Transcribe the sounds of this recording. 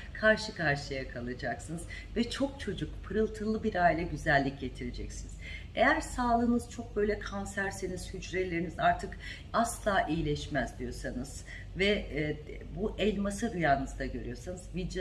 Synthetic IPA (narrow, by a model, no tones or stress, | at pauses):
kʰaɾʃɯkʰaɾʃɯjakʰalˠɯd͡ʒaksɯnɯz | vɛt͡ʃʰo̞k̚t͡ʃʰo̞d͡ʒukpʰɯɾɯlˠt̪ʰɯlˠɯbiɾajlʲˠaɟyzælʲːicɟe̞t̪ʰiɾed͡ʒɛcsiniz̥ | ḛjæɾsaːlˠɯːnɯz̥t͡ʃʰo̞k̚bø̞jlʲɛkʰansæɾseniz̥hyd͡ʒɾelʲeɾinizaɾt̪ʰɯk | aslˠaːʔijilʲɛʃmæzd̪ijo̞sanɯz̥ | vɛ | buʔɛlʲmasaɾujaːnɯzd̪aɟø̞ɾyjo̞sanɯz̥vid̪